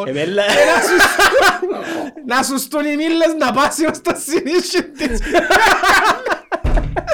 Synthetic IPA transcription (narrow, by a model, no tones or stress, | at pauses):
ɛɛlːnasu | nasust̪unimilːesd̪apasinast̪at̪sːjoniʃːent̪i